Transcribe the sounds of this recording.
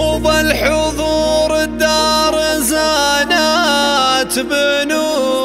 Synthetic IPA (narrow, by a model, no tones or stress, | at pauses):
ubalħʊðˤuːɾd̪ːɑɾˤzana | t̪bɪnu